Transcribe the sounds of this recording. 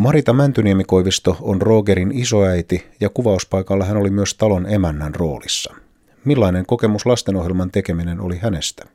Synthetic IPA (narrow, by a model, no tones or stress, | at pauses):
mɑɾit̪ɑmænt̪yniemiko̞jʋist̪o̞onro̞ːɡe̞ɾiniso̞æjt̪ijɑkuʋɑuspɑjkɑlːɑɦæno̞limyøst̪ɑlo̞ne̞mænːænro̞̰ːlisːɑ | milːɑine̞ŋko̞ke̞muslɑst̪e̞no̞ɦjelmɑnt̪e̞kemine̞no̞̰lihæne̞st̪æ̥